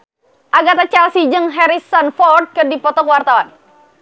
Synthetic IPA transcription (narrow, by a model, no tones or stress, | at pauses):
ʔaɡat̪at͡ʃalsid͡ʒəŋɦɛɾisɔnfɔrd̪̚kədipɔt̪ɔkəwart̪awan